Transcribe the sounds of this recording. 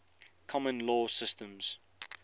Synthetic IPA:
kʰɔmə̃nlɔːsɪstə̃mz̥

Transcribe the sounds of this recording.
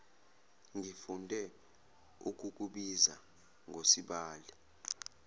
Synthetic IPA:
ŋifundʱɛ | uk̬ʼuk̬uɓiza̰ | ŋʱosiɓaːli

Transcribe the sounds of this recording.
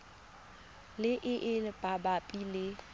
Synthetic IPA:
lɪʔɪʔɪb̥ʼabapʼilɪ

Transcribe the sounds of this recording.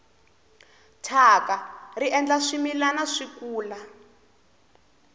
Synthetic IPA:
tʰakariʔɛnd͡ɮaʂimilanaʂikuːla

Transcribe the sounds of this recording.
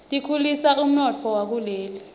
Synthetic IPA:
tʼikʰulisaʔum̩nɔt͡fʰɔwak̬uleːli

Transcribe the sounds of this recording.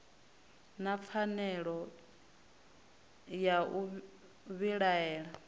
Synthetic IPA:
nap̪fʰanɛɺɔ | jaʔu | βiɺaɛːɺa

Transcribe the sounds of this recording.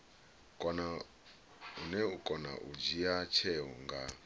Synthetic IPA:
kʼɔna | unɛukʼɔna̰ʔud͡ʒijat͡ʃʰɛɦɔ̰ŋɡa

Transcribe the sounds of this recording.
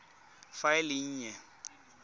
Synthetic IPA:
faɪlɪɲ̩ːɲɛ

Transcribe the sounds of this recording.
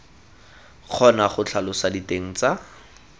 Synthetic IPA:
k͡xʰɔnaχʊt͡ɬʰalʊsaditeŋ̩t͡sa

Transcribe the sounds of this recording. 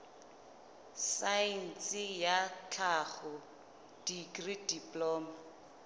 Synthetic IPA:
sain̩t͡sʼɪjat͡ɬʰaχʊ | d̥iɡridipʼlɔːma

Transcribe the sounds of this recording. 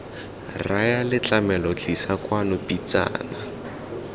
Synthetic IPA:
rajalɪt͡ɬamɛlɔt͡ɬisakwanʊpit͡sa̰ːna

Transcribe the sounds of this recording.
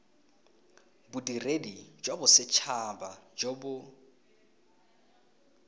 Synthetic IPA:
bʊdiredid͡ʒwabʊsɪt͡ʃʰabad͡ʒobʊ

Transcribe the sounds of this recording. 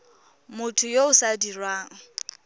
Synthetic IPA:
mʊtʰʊjoʊsadirwaːŋ̩

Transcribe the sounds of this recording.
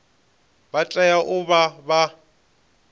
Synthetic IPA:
bat͡ɬʼajaʔʊbaba

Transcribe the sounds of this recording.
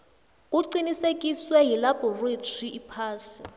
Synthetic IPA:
uǀinisekʼiswɛɦilabɔretʰiipʰaːsi̥

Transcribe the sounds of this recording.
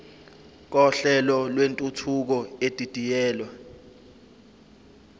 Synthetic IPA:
k̬ɔɬɛlɔlwentʼutʰuk̬ɔed̥ʱʼitʼijɛːlwa

